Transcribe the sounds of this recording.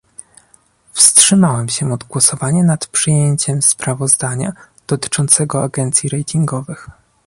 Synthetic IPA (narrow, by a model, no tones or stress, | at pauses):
fstʂɘmawɛmɕɛɔd̪ɡwɔsɔvaɲɛnat̪pʂɘjeɲt͡ɕɛmspɾavɔzd̪aɲa̰ | d̪̥ɔt̪ɘ̥t͡ʂɔnt̪sɛɡɔa̰ɡɛnt̪sʲjiɾɛjt̪ʰiŋɡɔvɘx